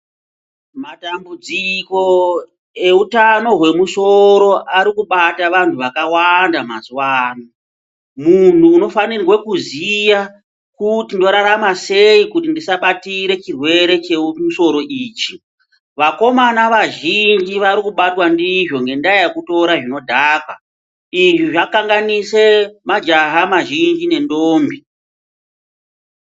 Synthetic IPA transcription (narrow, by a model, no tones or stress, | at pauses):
matambud͡ziko̞ | e̞utano̞ɦwe̞muso̞ɾo̞ʔaɾikuɓataʋantʰuʋakawandama̰zuwaːno | mun̤uːno̞fanirwekuzija | kutindo̞ɾaɾamase̞ikutindisaɓatiɾe̞t͡ʃirwe̞ɾe̞t͡ʃemuso̞ɾo̞ʔiːt͡ʃi | ʋako̞manaʋaʒind͡ʒiʋaɾikuɓatwandiʐo̞ŋɡe̞ndaejekuto̞ɾaʐino̞dʱaːka | iʐiʐakaŋɡanise̞mad͡ʒaɦamaʒind͡ʒine̞ndoːmbi